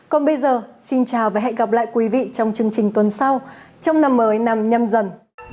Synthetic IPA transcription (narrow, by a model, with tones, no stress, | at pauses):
kɔ˨˩nɓə˧jzəː˨˩si˧nt͡ɕaː˨˩wvaː˨˩ɦɛ̰˧˥ɣa˨˩p̚la̰ː˧˨jkwi˨˦vḭ˧˨t͡ɕɔ˧wŋ͡mt͡ɕɨ˧əŋt͡ɕï˨˩ŋ̟t̪wə˨˩nsa˧wt͡ɕɔ˧wŋ͡mna˧mːəː˨˦jna˧˩mɲə˧mzə˨˩n